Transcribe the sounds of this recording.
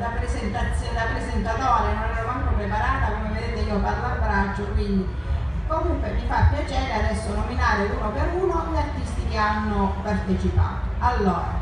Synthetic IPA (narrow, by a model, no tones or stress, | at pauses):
d̪apːɾezent̪at̪sːjod̪apːɾezent̪at̪ɔːɾenonɛɾoaŋpopɾepaɾaːt̪akomeved̪eːt̪eiːoparlarbɾad͡ʒːokwind̪i | komuŋkwemifapːjat͡ʃɛːɾead̪ɛsːonominaːɾeuːnopeɾuːnoʎart̪ːist̪ikeanːopart̪et͡ʃipa̰ːt̪oalːɔːɾa̰